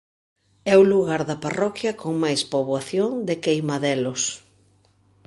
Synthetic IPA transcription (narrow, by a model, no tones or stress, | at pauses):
ɛuluɣaɾðɐparɔkjɐkoŋmajspoβwaθjoŋd̪ɪkejmaðɛlos